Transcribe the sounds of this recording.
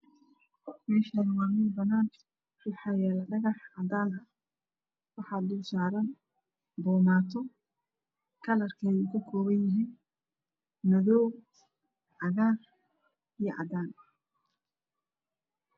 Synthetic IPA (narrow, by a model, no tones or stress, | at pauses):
mɛːʃɐnɐwɑːmɪnbɐnaːn | rʊħɑːjɛːlɐɖɐɣɑħɑd̪aːnɐ | wɑħɑːd̪d̪ʊlsaːɾɐn | bɔːmaːt̪ʰɔ | kʰɐlɐrkʰɛjukʰɐkʰɔːwɐnjɐɦiːn | mɐðɔw | ʕɑɣaːr | ijɞʔɑ̰d̪aːn